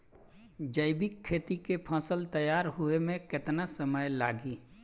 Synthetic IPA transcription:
d͡ʒəɪbɪkʰːeːt̪ikepʰãːsəlt̪əjaːɾɦuemẽkɪt̪nasəməjla̰ːɡiː

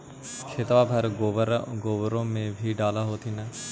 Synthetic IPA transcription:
kʰeːt̪ʋaːbʱɐɾɾɡoːbɾõːmẽbʱiɖaːlaɦoːt̪ʰinə

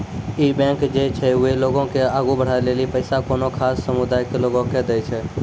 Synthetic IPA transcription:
iːbɛ̃ːŋkd͡ʒet͡ʃʰɛʊeloːɡõkeaːɡubəɽ̤aːeleːlipəɪsakoːnokʰaːsːəmʊd̪aːɪkeloːɡõked̪əjt͡ʃʰɛ

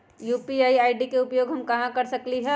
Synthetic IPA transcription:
juːpiaːiaːɪɖikeʊpjoːɡɦɐmkɐɦãkɐɾsɐkliɦɛ

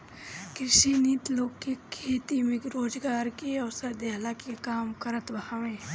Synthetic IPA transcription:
kɾɪʃiniːt̪loːɡkekʰeːt̪imẽkɾoːd͡ʒɡaːɾkeɔsəɾd̪eːlakekaːmkəɾət̪ʋɐhãʋẽ

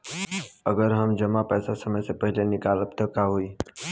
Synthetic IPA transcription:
əɡəɾɦəmd͡ʒəmapɛːsasəməjsepəɦɪlenɪkaːləpt̪əkaɦuiː

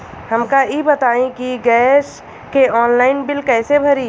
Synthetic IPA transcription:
həmkaibət̪aːĩkiɡɛːs | keɔːnlaːɪnbɪlkɛːsebʱəɾiː

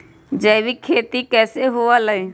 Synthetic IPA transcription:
d͡ʒəːʋikʰeːt̪ikɛːseɦʊaləi

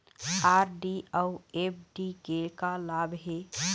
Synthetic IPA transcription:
aːɾɖiəuep̚ʰɖiɡekalabɦe

